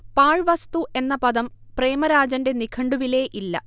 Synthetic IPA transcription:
paːɻʋɐst̪uʔe̞nːɐpɐd̪ɐmpre̞ːmɐɾaːd͡ʑɐnde̞nikʰɐɳɖuʋile̞ːʔilːɐ̰

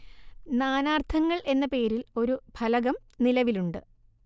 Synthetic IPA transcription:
naːnaːrt̪ʰɐŋːɐɭʔe̞nːɐpe̞ːɾilo̞ɾubʱɐlɐɣɐmnilɐʋiluɳɖɨ

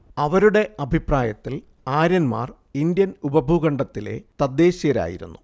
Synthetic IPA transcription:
ɐʋɐɾuɽe̞ʔɐbʱipraːjɐt̪ːil | aːɾɐnma̰ːr | ind̪jɐnubɐbʱuɣɐɳɖɐt̪ːile̞̰t̪ɐd̪ːe̞ːɕijɐɾa̰ːjḭɾṵnːu

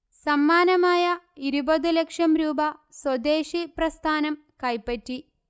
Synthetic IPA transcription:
sɐmːaːnɐmaːjɐ | iɾubɐðulekʂɐmɾuːbɐswɐd̪eːʂiprɐst̪ʰaːnɐm | kɐjpːɐtːi

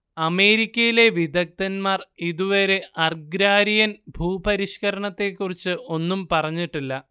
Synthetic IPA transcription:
ɐme̞ːɾikʲːɐjile̞ʋid̪ʱɐk̚t̪ɐnmaːriðuʋɐɾe̞ʔɐrɡɾaːɾijɐnbʱuːpɐɾiʂkɐɾɐɳɐt̪ːe̞kːurit͡ɕːɨo̞nːumpɐrɐɲːiʈːilːɐ

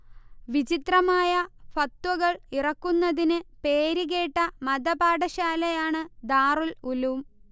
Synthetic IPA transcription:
ʋit͡ɕit̪rɐmaːjɐfɐt̪wɐɣɐɭirɐkːunːɐðinɨpe̞ːɾiɣe̞ːʈːɐmɐd̪ɐbaːɽɐɕaːlɐjaːɳɨd̪aːrululum

